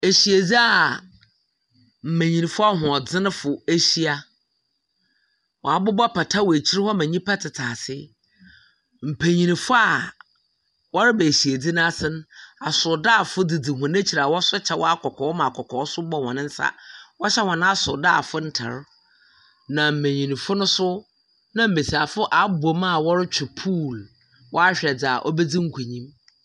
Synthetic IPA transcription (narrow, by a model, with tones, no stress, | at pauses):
e˨ɕi˨æ˨d͡zi˦a˦˨ | m̩˨mæ̃˨ɲĩ˨nĩ˨fʊ˦a˦ɦʊ̃˨ɔ˨d͡zɪ˦nʊ̃˦fʊ˨e˦ɕi˦a˨ | wɔ˨a˨bʊ˦bɔ˦pʰa˨tʰa˦wɔ˨e˨t͡ɕʰi˦ɾɪ˦hɔ˦mæ̃˨ɲĩ˦pʰa˦tʰɪ˨tʰaː˨sɪ˦ | m̩˨pʰæ˨ɲĩ˨nĩ˨fʊ˦a˨ | wɔ˦ɾɪ˦bæ˨ɕi˨æ˨d͡zi˦nã˦a˦sɪ˦nʊ̃˦a˨sʊ˨daː˦˨fʊ˦di˨di˨ɦʊ̃˨næ̃˦t͡ɕʰi˨ɾa˨wɔ˦sʊ˦t͡ɕʰɛ˨wɔ̰˦a˦kʰɔ˨kʰɔ˨˦ɔ˦mã˨kʰɔ˨kʰɔː˨˦sʊ˦bɔ˦hɔ̃˨nɪ̃˦n̩˦sa̰˦wɔ˦ɕɛ˦hɔ̃˨nã˦a˦sʊ˨daː˦˨fʊ˦n̩˦tʰa̰˨ɾ | nã˨m̩˨mẽ˨ɲĩ˨nĩ˨fʊ˦nʊ̃˦sʊ˦ | nã˦m̩˨me˨si˨a˨fʊ˦ʔa˨˦bo˨mã˦˨wɔ˦ɾɪ˦t͡ɕʰᶣɪ˨pʰuː˦˨l | wʔɔ˦a˦ɕᶣɛ˨d͡za˨ʔɔ˦bɛ˦d͡zi˦ŋ̩˦kʰu˨ɲĩ˦m